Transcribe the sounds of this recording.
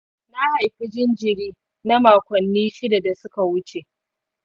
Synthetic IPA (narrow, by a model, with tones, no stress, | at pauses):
na˦ha˨jɸɪ˦d͡ʒɪ˦nd͡ʒɪ˨ɽiː˦ | na˦maː˨kʷɐ˨nːiː˦ʃɪ˦da˨da˨sʊ˦ka˨wʊ˦t͡ʃe˨ʔ